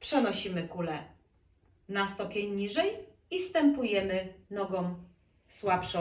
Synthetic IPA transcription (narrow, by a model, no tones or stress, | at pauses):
pʂɛnɔɕimɘkulɛ | nast̪ɔpʲjɛɲːiʐɛj | ist̪ɛmpujɛmɘnɔɡɔm | swapʂɔ